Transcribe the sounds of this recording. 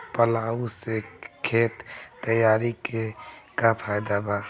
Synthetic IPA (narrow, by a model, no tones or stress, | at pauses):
pəlaːusekʰeːt̪t̪ːəjaːɾikekapʰaːjd̪aba